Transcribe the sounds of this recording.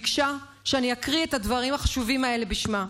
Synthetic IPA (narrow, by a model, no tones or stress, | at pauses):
kʃa | ʃeaniakʁietadvaʁimaχaʃuvimae̞le̞biʃma